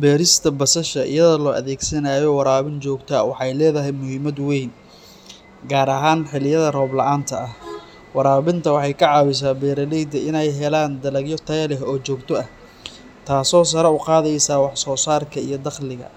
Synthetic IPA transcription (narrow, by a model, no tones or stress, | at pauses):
bɛːɾɪst̪ʰɐbɐsɐʃɐʔɪ̰jɐðɐlɔːʔɐ̰ðɛːɡsɐnaːjɔwɑɾaːβɪnt͡ʃɔːɡt̪ʰɐwɑħɑjlɛːðɐɦɛjmʊhɪmɐd̪wɛjn | ɡaːɾɐɦaːnħɪlɪjɐðɐrɔːblɐɑʔaːnt̪ʰɐɐh | wɑɾaːβɪnt̪ʰɐwɑħɑjkʰɐʕɑːβɪs̬aːbɛːɾɐlɛjd̪ɐʔɪnɛjɦɛlaːnd̪ɐlɐɡjɔt̪ʰɐjlɛɦɔːt͡ʃɔːɡt̪ʰɔɐh | t̪ʰaːsɔːs̬ɐɾɐʊqɑːðɛjsaːwɑħsɔːsaːrkʰɐijɞd̪ɑχlɪɣɐ̰